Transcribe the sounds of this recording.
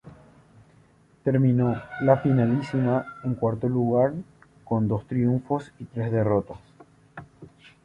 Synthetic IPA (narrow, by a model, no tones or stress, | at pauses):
t̪e̞ɾmĩno̞lafinalisimaeŋkwaɾt̪oluɣaɾ | ko̞nd̪o̞st̪ɾiuɱfo̞sit̪ɾe̞zðe̞ro̞t̪os